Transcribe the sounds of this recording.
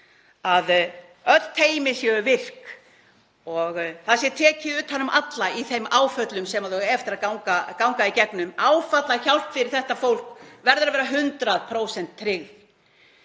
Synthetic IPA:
að | œ̥t̪ʰeːjmɪsjɛʏvɪr̥k | ɔɣθaðsjɛt̪ʰɛːcɪðʏːt̪hanʏmʔat̪laiθejmʔaːwfœt̪lʏmsɛmaðɔɛft̪ɪɾaðkawŋkakawŋkaicɛknʏmaːwfat̪laçawl̥p̪fɪɾɪɾ̥θɛht̪afowl̥kvɛɾðʏɾavɛːɾaɦʏnt̪ɾaðpʰɾoːwsɛnt̪ʰːɾɪɣð

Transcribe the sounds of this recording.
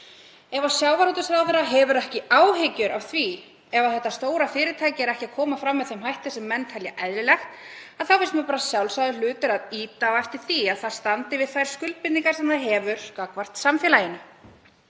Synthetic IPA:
ɛvawsjawvaɾut̪ʏsɾawθɛɾːaɦɛvʏɾɛhcɪaːwɦɪcʏɾʔav̥θvi | ɛvaðθɛht̪ːast̪oːwɾafɪːɾɪt̪ʰaːjcɪɛɾɛhcɪakʰɔːmafɾamːɛðθemɦajht̪ɪ̥sɛmːɛnt̪ʰalja̰ʔɛðlɪlɛxt̪aðθawfɪst̪mɛpaːɾasjawlsajðɪlʏːt̪ʏɾaðiːt̪avaɛft̪ɪɾ̥θiaðθað̥st̪ant̪ɪvɪð̥θajɾ̥skʏlp̚pɪt̪niŋkḁsɛmθaðɦɛːvʏɾ̥kakvar̥t̪samfjɛlajɪnʏ

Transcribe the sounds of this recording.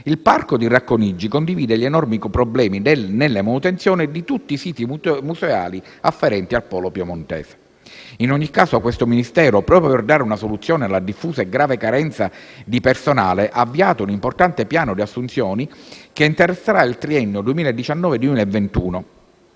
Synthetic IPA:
ilparkod̪irakːonid͡ʒːikond̪iviːd̪eʎenɔrmikpɾoblɛːmidnelːemanut̪ent̪sjɔːnid̪it̪ut̪ːisiːt̪imuzeaːli | afːɛɾɛnt̪ialpɔːlopjomont̪ɛ̰ːse̥ | inoɲːikːaːsoakwest̪ominist̪ɛːɾopɾɔːpɾjoperd̪aːɾeunasolut̪sːjɔːnealːad̪ifːuːzaeɡɾaːvekaɾɛnt̪sad̪ipersonaːleʔaːvːiaːt̪ounimport̪ant̪epjaːnod̪iasːunt̪sjɔːnikeint̪eɾesːeɾailt̪ɾiɛnːod̪uemiːlaed̪ːit͡ʃanːɔːved̪uwemiːlaevːent̪uːno

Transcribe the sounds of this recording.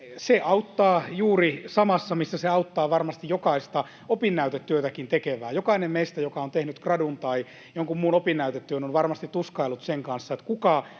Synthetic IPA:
seʔɑut̪ːɑːjuːrisɑmɑsːɑmisːæseɑut̪ːɑːʋɑrmɑst̪ijjokɑist̪ɑ | opinːæyt̪et̪ːyøt̪ækint̪ekeʋæːjokɑinemmeist̪æjokɑont̪ehnyt̪krɑdunt̪ɑi | joŋkummuːnopinːæyt̪et̪ːyøːnonʋɑrmɑst̪it̪t̪uskɑilːut̪seŋkɑnsːɑet̪kukɑ

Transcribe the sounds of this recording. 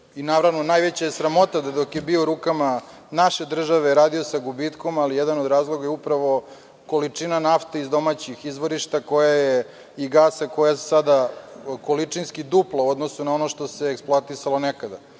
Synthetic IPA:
inaʋɾaʋnonajʋet͡ɕajesɾamo̞t̪ad̪ad̪o̞kjebiouɾuːkama | naʃe̞d̪r̩ʒaʋeɾaːd̪iosaɡubit̪ko̞malijɛd̪anod̪ɾaːzlˠo̞ɡajeupɾaʋo̞ | ko̞lit͡ʂinanaft̪eizd̪o̞mat͡ɕixizʋo̞ɾiʃt̪ako̞jaje | iɡaːsako̞jasad̪ako̞lit͡ʂinskid̪uplˠauo̞d̪nosunao̞noʃt̪o̞seːksplˠoat̪isalˠo̞nekad̪a

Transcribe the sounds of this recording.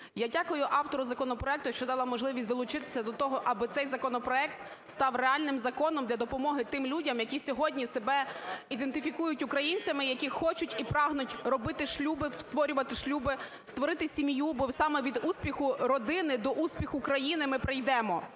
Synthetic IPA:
jadʲakɔjʊʔɑwt̪ɔɾʊzɐkɔnɔpɾɔɛkt̪ʊjɐʃt͡ʃɔd̪ɑlˠɑmɔʒlˠɪʋʲisʲd̪ɔlˠʊt͡ʃɪt̪ɪ̥sʲɐd̪ɔt̪ɔɦɔʔɐbɪt̪sɛjzɐkɔnɔpɾɔɛk̚t̪ | st̪ɑwreɑlʲnɪmzɐkɔnɔmd̪lʲɐd̪ɔpɔmɔɦɪt̪ɪmlʲudʲɐmjɐkʲisʲɔɦɔdʲnʲisebɛid̪ent̪ɪfʲikujʊtʲʊkɾɐjinʲt͡sʲɐmɪjɐkʲixɔt͡ʃʊtʲipɾɑɦnʊtʲɾɔbɪt̪ɪʃlʲubɪst̪ʋɔɾʲʊʋɐt̪ɪʃlʲubɪ | st̪ʋɔɾɪt̪ɪsʲimʲjubɔsɑmɛʋʲid̪uspʲixʊɾɔd̪ɪnɪd̪ɔʔuspʲixʊkɾɐjinɪmɪpɾɪjd̪ɛmɔ

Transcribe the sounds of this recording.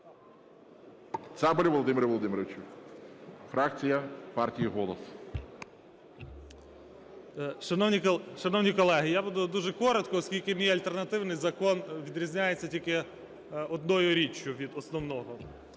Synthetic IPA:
t̪sɛbɔlʲiʋɔlˠɔd̪ɪmʲɪɾɐʋɔlˠɔd̪ɪmɪɾɔʋɪt͡ʃʲu | fɾakt͡sʲijɐpartʲijiɦɔlˠɔs | ʃɐnɔwnʲiʃɐnɔwnʲikɔlˠɛɦɪjabud̪ʊd̪uʒɛkɔɾɔt̪kɔːskʲilʲkɪmʲijɐlʲt̪e̞rnɐt̪ɪwnɪjzɐkɔnʋʲid̪ɾʲizʲnʲajet͡sʲːɐtʲilʲkɪ | ɔd̪nɔjʊɾʲit͡ʃʲjʊʋʲid̪ɔsnɔwnɔɦɔ

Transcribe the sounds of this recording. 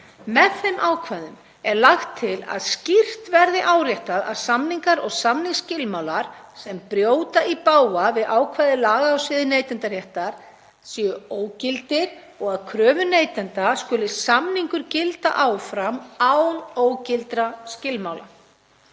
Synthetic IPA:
mɛðθejmʔaːwkʰvaðʏm | ɛɾlaxt̪ʰːɪla̰ðscir̥t̪vɛɾðɪʔaːwɾjɛht̪aða̰ðsamniŋkaɾɔɣsamniŋscɪlmaːwlaɾ̥sɛmpɾjoːwt̪aʔipaːwavɪðʔaːwkʰvaːðɪlaːɣaawsvɪðɪnejt̪ɛnt̪aɾ̥jɛht̪aɾ̥ | sjʏoːwcɪlt̪ɪɾ | ɔɣaðkʰɾœːvʏneːjt̪ɛnt̪askʏlɪsamniŋkʏɾcɪlt̪a̰ʔaːwfɾamawnoːwcɪlt̪ɾascɪlmaːwla

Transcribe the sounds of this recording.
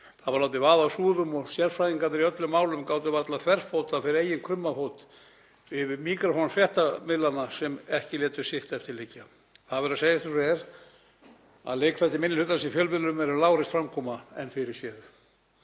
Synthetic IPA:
θaðvaɾlawt̪̬ɪvaːðaːwsuːðʏmɔɣsjɛɾfɾajiŋkanɪɾiœt̪lʏmːaːwlʏmkaːwt̪ɪvaɾt̪lat̪ʰvɛr̥fowt̪afɪɾɪɾejɪnkʰɾʏmːafoːwt̪ | ɪvɪmiːkɾafonfɾjɛht̪amɪlːanasɛmɛhcɪlɛːt̪ʏ̥sɪht̪aɛft̪ɪɾlɪcːa | θaðvɛɾaseːjast̪ɪsɛɾ | a̰ðlejkfat̪ːɪmɪnːɪlʏt̪asifjœːlvɪlʏmɛɾʏlaːwɾɪst̪fɾamkʰɔːmaɛnfɪɾɪɾ̥sjɛð

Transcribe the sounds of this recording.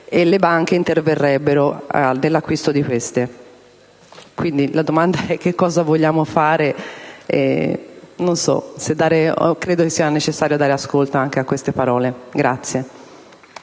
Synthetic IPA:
elːebaŋk̟eint̪erverːɛbːeɾoa̰d̪elːakːwist̪od̪ikwest̪e | kwind̪ilad̪omand̪aɛk̟ːekːɔːzavoʎːaːmofaːɾeɛ̰ | nonsɔ̰sed̪ːaːɾekɾeːd̪okesːiːanet͡ʃesːaːɾjoad̪ːaːɾeaskolt̪aaŋk̟eakːwest̪epaɾɔːleɡɾat̪sːje

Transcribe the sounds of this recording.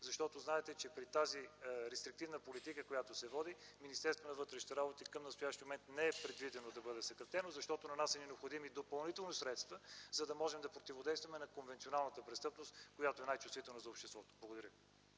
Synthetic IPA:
zɐʃt̪ɔt̪oznaɛt̪ɛt͡ʃɛpɾit̪aziɾɛst̪ɾik̚t̪ivnəpolit̪ikəkojat̪osɛvɔd̪iminist̪ɛɾst̪vonɐvɤt̪ɾɛʃnit̪ɛɾabot̪ikɐmnɐst̪ʊjaʃt̪imomɛnt̪nɛɛpɾɛd̪vid̪ɛnod̪ɐbɤd̪ɛsɐkɾɐft̪ɛnozɐʃt̪ɔt̪onɐnasnɛnɛopxod̪imid̪opɐlˠnit̪ɛlˠnisɾɛt̪st̪vəzɐd̪ɐmɔʒɛmd̪ɐpɾot̪ivod̪ɛjst̪vɐmɛnɐkonvɛnt̪sionalˠnət̪əpɾɛst̪ɤpnost̪kojat̪oɛnajt͡ʃust̪vit̪ɛlˠnəzɐopʃt̪ɛst̪vɔt̪o̥blˠɡoʊd̪ɐɾʲəvi

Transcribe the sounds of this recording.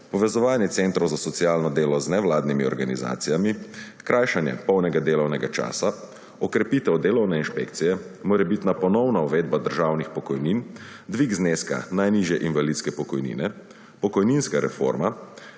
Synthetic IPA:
pɔʋɛzɔʋaːnjɛt̪sent̪ɾɔwzasɔt̪sijaːlnɔd̪eːlɔznɛwlaːd̪nimiɔ̰ɾɡaniza̰ːt̪sijami | kɾʔaːjʃanjɛ̰pɔwnɛɡad̪eːlɔwnɛɡat͡ʃa̰ːsa | ɔkɾɛpit̪ɛwd̪eːlɔwnɛinʃpekt̪sijɛmoːɾɛbit̪napɔnɔwnauʋeːd̪̚bad̪əɾʒaːwnixpɔkɔjnin | d̪ʋiɡzneːska̰najniʒjɛʔinʋalit̪skɛpɔkɔjnḭːnɛ | pɔkɔjninskaɾɛ̰fo̰ɾma

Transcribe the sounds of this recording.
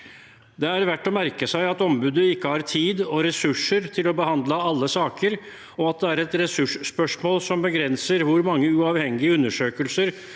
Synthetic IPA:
d̪ɛæɾʋæʈːɔmæɾkəsæɪɑt̪ɔmbʉːd̪əɪkːəhɑɾt̪ʰiːd̪ɔɾɛsʉʂəɾt̪ʰɪlɔbəhɑnd̪ləɑlːəsɑːkəɾ | ɔɑt̪̚d̪ɛæɾɛt̪ɾɛsʉʂːpœʂmoːlsɔmbəɡɾɛnsəɾʋʊɾmɑŋːəʉɑːʋhɛŋːɪəʉnːəʂøːkəlsəɾ

